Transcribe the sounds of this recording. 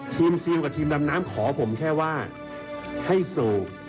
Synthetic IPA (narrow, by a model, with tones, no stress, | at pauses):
t̪ʰiː˧msi˧əwka˨˩t̪ʰiː˧mda˧mnaː˦˥mkʰɔː˩˦pʰo˩˦mkʰɛː˥˩waː˥˩ | ha˥˩jsuː˨˩